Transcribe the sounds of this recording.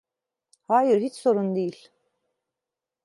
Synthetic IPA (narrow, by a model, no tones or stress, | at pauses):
haːjiɾhit͡ʃso̞ɾund̪ejilʲ